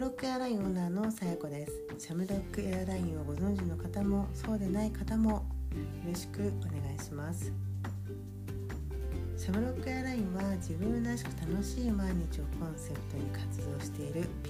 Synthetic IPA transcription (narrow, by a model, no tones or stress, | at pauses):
ɾokːɯ̟eaɾaĩoːnaːno̞sajako̞d̪e̞sɨ̥ | ɕamɯ̟ɾo̞kːɯ̟eaɾaĩɰ̃β̞aɡo̞zõ̞ɲ̟d͡ʑino̞kat̪amo̞so̞ːd̪e̞naikat̪amo̞joɾo̞ɕi̥kɯ̟o̞ne̞ɡaiɕimasɨ̥ | ɕamɯ̟ɾo̞kːɯ̟eaɾaĩɰ̃βad͡ʑibɯ̟̃nnaɕi̥kɯ̟̥t̪ano̞ɕiːmaiɲ̟it͡ɕio̞kʰõ̞ɰ̃se̞pɯ̥t̪o̞ɲ̟ikʰat͡sɨd̪o̞ːɕi̥t̪e̞iɾɯ̟pʲ